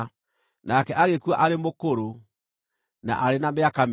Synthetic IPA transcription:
nakɛʔaɣekuaʔaɾemokoɾo | na̰ʔaɾenameakam

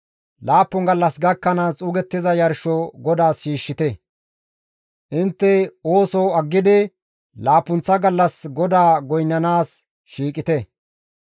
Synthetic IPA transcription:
laːpːɔŋɡɐlːɐsɡɐkːɐnaːsʼʊɡɛt̪ːɪzɐjɐɾʃɔɡɔd̪aːsʃiːʃːɪt̪ɛ | ʔɪnt̪ːɛoːsɔːɐɡːɪd̪ɪ | laːpːʊnt͡sːɐɡɐlːɐsɡɔd̪aːɡɔjnːɐnaːs | ʃiːkʼɪt̪ɛ

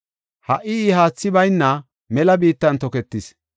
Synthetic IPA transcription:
hɐʔːɪiɦaːt͡sːɪbɐjnːɐ | mɛlɐbiːt̪ːɐnt̪ɔkɛt̪ːɪs

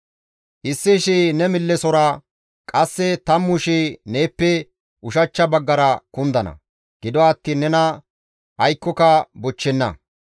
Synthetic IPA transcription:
ʔɪsːɪʃinɛmɪlːɛsɔɾa | kʼɐsːɛt̪ɐmːʊʃineːpːɛ | ʔʊʃɐt͡ʃːɐbɐɡːɐɾɐkʊnd̪ɐnɐ̰ | ɡ̥ɪd̪ɔɐt̪ːiːnːɛnɐ | ɐjkːɔkɐbɔt͡ʃːɛnːɐ̰

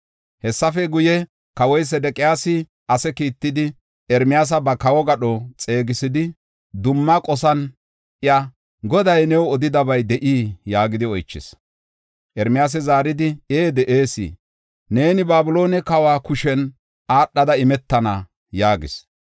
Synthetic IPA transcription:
hɛsːɐfɛɡʊjɛ | kɐwɔjs̬ɛd̪ɛkʼɪjaːsɪ | ʔɐsɛkiːt̪ːɪd̪ɪ | ɛɾmɪjaːs̬ɐbɐkɐwɔɡɐɗɔt͡sʼe̞ːɡɪsɪd̪ɪ | d̪ʊmːɐkʼɔsɐn | ʔɪjɐ | ɡɔd̪ɐjnɛwɔd̪ɪd̪ɐbɐjd̪ɛʔiːjaːɡɪd̪ɪɔjt͡ʃːɪ̰s | ʔɛɾmɪjaːs̬ɛzaːɾɪd̪ɪeːd̪ɛʔeːsḭː | ne̞ːnɪbaːbʊlo̞ːnɛkɐwaːkʊʃɛn | aːɗːɐd̪ɐɪmɛt̪ːɐnɐ | jaːɡɪs

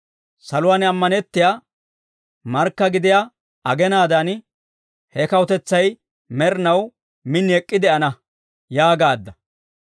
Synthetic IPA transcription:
sɐlʊwaːnɐmːɐnɛt̪ːɪja | mɐɾkːɐɡɪd̪ɪja | ɐɡɛnaːd̪ɐn | hɛkɐwʊt̪ɛt͡sːɐj | mɛɾnɐw | mɪnːɛkʼːɪd̪ɛʔɐnɐ | jaːɡaːd̪ːɐ

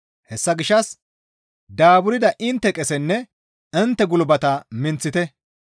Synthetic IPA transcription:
hɛsːɐɡɪʃːɐs | d̪aːbʊɾɪd̪ɐʔɪnt̪ːɛkʼɛsɛnːɛ | ɪnt̪ːɛɡʊlbɐt̪ɐmɪnt͡sːɪt̪ɛ

